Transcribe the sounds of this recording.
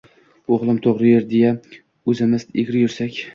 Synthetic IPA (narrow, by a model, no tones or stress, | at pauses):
oʁlˠɪmt̪ʰoʁɾɪjeɾd̪eja | ɵzɪmɪzeɡʲɾɪjʊɾsakʲ